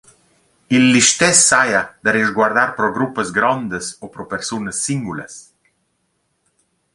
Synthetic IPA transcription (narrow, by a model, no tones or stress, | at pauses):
ilːiʃt̪ɛsːajad̪arizɡwaɾd̪aɾpɾɔɡɾupːəzɡɾɔnd̪əsopɾɔpəɾsunəsːiŋɡulə̰s